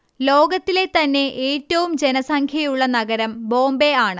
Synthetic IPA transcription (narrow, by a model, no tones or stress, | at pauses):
lo̞ːɡɐt̪ːile̞t̪ɐnːe̞ʔeːtːɐʋumd͡ʑe̞nɐsɐŋkʰjɐjuɭːɐnɐɡɐɾɐmbo̞ːmbe̞aːɳɨ